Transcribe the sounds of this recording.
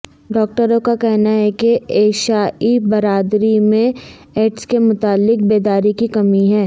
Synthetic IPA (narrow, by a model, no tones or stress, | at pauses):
ɖɔːk̚ʈəɾõkakɛɦnaɦɛkeeːʃaːibɐɾaːd̪ɾimẽ | eːʈskemʊt̪aːlːɪk̚beːd̪aːɾikikɐmiɦɛː